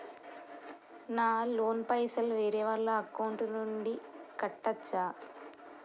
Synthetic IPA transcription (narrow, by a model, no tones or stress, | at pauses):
naːloːnpɐjsɐlʋeːɾeːʋɐɭːɐːkːɐwɳʈnuɳɖikɐʈːɐt͡ʃːaː